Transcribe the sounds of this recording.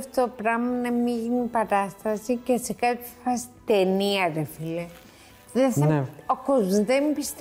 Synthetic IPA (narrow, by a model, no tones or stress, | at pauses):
ft̪opɾɐɣmɐnɐmiʝinipɐɾɐst̪ɐsicesekɐt̪i̥fɐsi̥t̪eniɐɾefile | ðeθnokozmzðembist̪